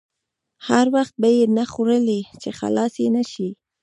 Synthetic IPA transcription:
haɾwaxt̪̚bajenaxoɾəlit͡ʃexa̰lɑsjenaʃi

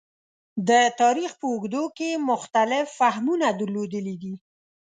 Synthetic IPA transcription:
d̪ət̪ɑɾixpəʊɡd̪okemʊxt̪alɪfːahmunad̪əɾlod̪əlid̪i

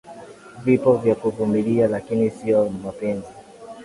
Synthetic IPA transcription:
vipɔvjakuvumilialakinisiɔmapɛnzi

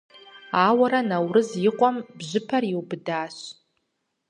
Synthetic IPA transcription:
aːwaɾanawrɨzjɪqʷʼambʒʷɨpʰariwbdaːʃ

